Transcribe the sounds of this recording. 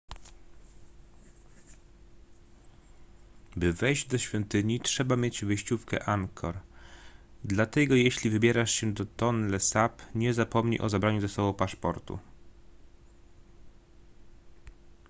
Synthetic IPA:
bɘvɛjʑd͡ʑd̪ɔɕfʲjɔnt̪ɘɲitʂɛbamʲjed͡ʑvɘɕt͡ɕufkɛ̰ʔaŋkʰɔɾ | d̪lat̪ɛɡɔjeɕlʲivɘbʲjɛɾaʂɕɛd̪ɔt̪ɔnlɛsapɲɛzapɔmɲḭʔɔ̰zabɾaɲuzɛsɔbɔ̃w̃paʂpɔɾt̪ṵ

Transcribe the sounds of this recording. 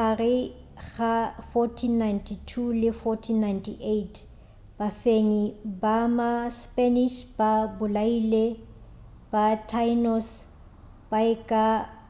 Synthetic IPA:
arɪ | ɣafɔtʰinːajntʰitʰulɪfɔtʰinːajntʰiʔetʰ | b̥afeɲibamaspʼɛniʃbabʊlaiːle | b̥atʰajnɔs | b̥aɪkʼa

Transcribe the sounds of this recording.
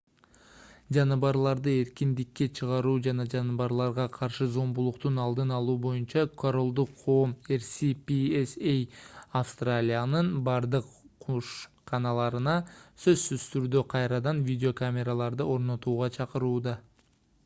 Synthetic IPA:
d͡ʒɑnɯβɑɾlˠɑɾd̪ɯe̞ɾkind̪ikːe̞t͡ʃʰɯʁɑɾuːd͡ʒɑnɑd͡ʒɑnɯβɑɾlˠɑɾʁɑqʰɑɾʃɯzo̞mbulˠuqt̪unɑlˠd̪ɯnɑlˠuːbo̞junt͡ʃɑkʰoɾo̞lˠd̪uqʰːo̞ːmeɾsipʲiesejafst̪ralʲijanɯnbɑɾd̪ɯqʰuʃ | qɑnɑlˠɑɾɯnɑsø̞zsyzt̪yɾd̪øqʰɑjɾɑd̪ɑnvʲidʲeo̞kamʲe̞ɾalˠɑɾd̪ɯo̞ɾno̞t̪uːʁɑt͡ʃʰɑqɯɾuːd̪ɑ

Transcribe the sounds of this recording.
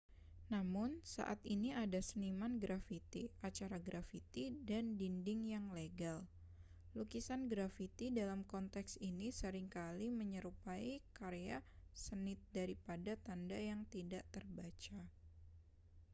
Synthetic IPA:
namʊnsa̰ʔa̰t̪iniadasənimanɡɾafit̪iat͡ʃaɾaɡɾafit̪idandindɪŋjaŋleɡal | lukisanɡɾafit̪idalamkɔnt̪ɛksinisəɾɪŋkaliməɲəɾupaikaɾejasənɪt̪̚daɾipadat̪andajaŋt̪idaʔt̪ərbat͡ʃa

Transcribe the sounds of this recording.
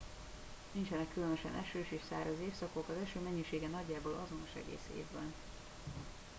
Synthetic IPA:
nint͡ʃɛnɛkːylønøʃɛ̰nʔɛʃøːʃeːʃsa̰ːrɒzeːfsɒkokɒzɛʃøːmɛɲːiʃeːɡɛnɒɟːaːboːlʔɒzo̞no̞ʃɛ̰ɡḛːsḛːvbɛ̰n

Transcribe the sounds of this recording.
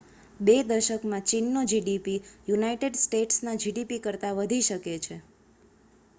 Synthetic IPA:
bed̪əɾʃəkmãt͡ʃinːod͡ʒiɖipijunaiʈeɖsʈeʈsnad͡ʒiɖipikəɾt̪aʋəd̪ʱiʃəket͡ʃʰe

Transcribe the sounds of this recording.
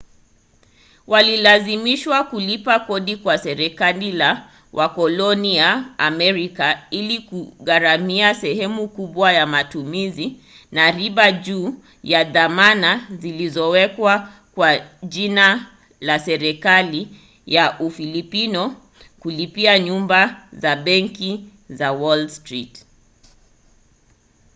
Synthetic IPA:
walilazimiʃwakulipakɔɗikwasɛɾɛkalila | wʔakɔlɔnijaːmɛɾikailikuɣaɾamiasɛhɛmukuɓwajamatumizi | naɾiɓaʄuː | jaðamanazilizɔwɛkwa | kwaʄina | lasɛɾɛkali | jaʔufilipinɔ | kulipiaɲumbazaɓɛŋki | zawɔlstɾit

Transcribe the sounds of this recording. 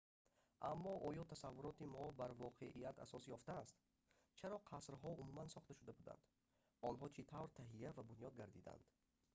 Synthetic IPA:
ʔamːɔʔɔjɔt̪ʰasavːuɾɔt̪imɔbaɾvɔqʰeʔijat̪ʰa̰sɔsjɔft̪aːst̪ | t͡ʃʰaɾɔqʰasɾɦɔumumansɔχt̪aʃud̪abud̪a̰nd̪̥ | ɔnɦɔt͡ʃʰit̪ʰavɾt̪ʰaɦiavabunjɔd̪̚ɡaɾd̪id̪a̰nd̪̥

